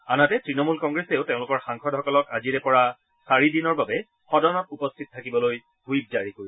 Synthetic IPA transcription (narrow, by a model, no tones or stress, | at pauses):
anatɛtɹinɔmulkɔŋɡɹeseʊteʊ̃lʊkɔɹxaŋxʰɔdhɔkɔlɔkaziɹɛpɔɹa | saɹidinɔɹbabɛ | xɔdɔnɔtupɔstʰitɔtʰakibɔloj | ɡujp̚zaɹikoɹi